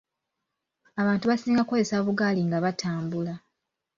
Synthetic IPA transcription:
aβaːntuβasiːŋɡakozesaβuɡaːliŋɡaβatʰaːmbula

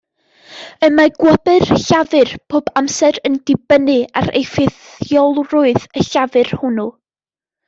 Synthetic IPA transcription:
əmaɡ̥wəbɨrɬavɨrpʰoːbamsɛɾəndɪbənɨa̰ɾʔḛjfɪθ | jɔlˠrʊɨðəɬavɨrhʊnu

